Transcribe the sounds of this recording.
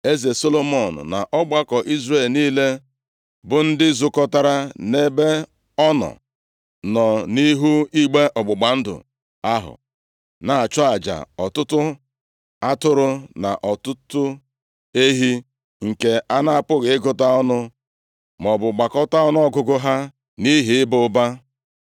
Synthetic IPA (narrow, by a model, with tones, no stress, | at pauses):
e˦ze˨so˦lo˦mɔ˨n̩̰˨na˨ʔɔ˦ɡ͡ba˦kɔ˨ʔi˦zɾe˦˨lniː˦le˦ | bʊ˨n̩˦dɪ˦zʊ˦kɔ˦ta˦ɾa˦ne˦be˦ | ɔ˦nɔ̰˨ | nɔ˨ni˦ɦu˦i˦ɡ͡be˦ʔɔ˨ɡ͡bʊ˨ɡ͡ba˨n̩˦dʊ̰˨ | a˦ɦʊ̰˨ | na˨a˨t͡ʃʊ˦a˨d͡ʒa̰˨ɔ˨tʊ˦tʊ˦ | a˦tʊ˦ɾʊ˦na̰˨ʔɔ˨tʊ˦tʊ˦ | e˦ɦi˦ | ŋ̩˨ke˨a˦na˦a˨pʊ˦ɣe˨ɪ˦ɡʊ˦ta˦ɔ˦nʊ˦ | mɔ˨bʊ˨ɡ͡ba˨kɔ˦ta˦ɔ˦n˦ɔ˦ɡʊ˦ɡʊ˦ɦa˦ | ni˦ɦi˨ɪ˦bʊ˦ba˦